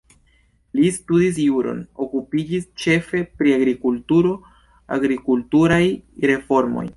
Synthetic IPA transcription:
listudis̬juɾo̞̰no̞kupid͡ʒist͡ʃe̞fe̞pɾiaɡɾikultuɾo̞ | a̰ɡɾikultuɾajɾe̞fo̞ɾmo̞̰j

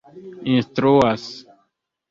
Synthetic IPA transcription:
ĩnstɾuas

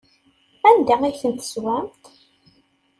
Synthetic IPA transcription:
ænd̪ææθənt̪ə̥swæmt̪

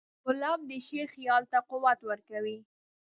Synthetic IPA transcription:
ʊlɑmd̪əʃexjɑlt̪aqʊwat̪wəɾkawi

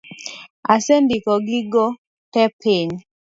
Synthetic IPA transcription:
asendikɔɡiɡɔ | tɛpʰen

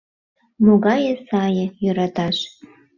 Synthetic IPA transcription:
moɣɑjə̆sɑjɤ̆jøɾɑt̪ɑʃ

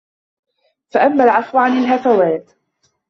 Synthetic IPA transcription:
faʔamːalʕɑfwʕanɪlɦafawaːt̪

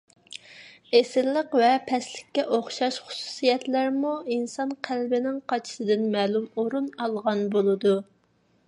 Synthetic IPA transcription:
esɪlːəqvɛpʰɛslɪkʲːɛʔoχʃɑʃχʊ̥su̥sijɛt̪læɾmuinsɑnqʰælbɪnɪŋqʰɑt͡ʃʰi̥sɨd̪ɪnmɛːlˠumoɾunɑlˠʁɑnbolˠɨd̪u

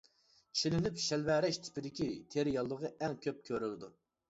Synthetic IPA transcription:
t͡ʃʰilɪnypʃɛlvæɾɛʃt̪ʰɪ̥pɪd̪ɪkʲit̪ʰeɾɪjɑlˠːəʁɑʔɛŋkʲʰøp̚kʲʰøɾylɪd̪u

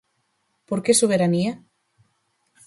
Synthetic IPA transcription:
poɾkesoβ̞eɾania

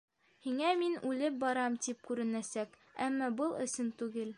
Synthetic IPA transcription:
hiŋæminʉlɘp̚bɒɾɑmt̪ip̚kʉɾɘ̆næsæk | æ̰mːɑbɤlˠɵ̆sɘnt̪ʉɡɘl

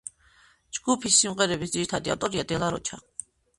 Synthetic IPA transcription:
d͡ʒɡupʰisːimqɛɾɛbisd̪iɾt̪ʰad̪ia̰t̪ʼɔɾjad̪ɛlaɾɔ̰t͡ʃʰaq

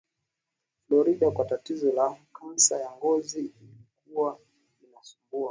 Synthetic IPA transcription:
flɔɾiɗakwatatizɔlakan̩sajaŋɡɔziilikuwa | inasumbua

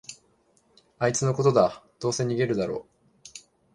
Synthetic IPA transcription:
ait͡sɨno̞ko̞t̪o̞d̪ad̪̥o̞ːse̞ɲ̟iɡe̞ɾɯ̟d̪aɾo̞̰ː

